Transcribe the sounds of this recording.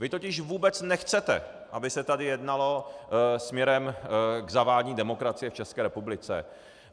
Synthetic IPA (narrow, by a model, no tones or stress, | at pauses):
vɪt̪ocɪʃvuːbɛt͡snɛxt͡sɛt̪ɛ̰ | ʔabɪsɛt̪adɪjɛdnalo̞smɲɛɾɛmɡzavaːlɲiːdɛmo̞kɾat͡sɪjɛft͡ʃɛskɛːɾɛpublɪt͡sɛ̰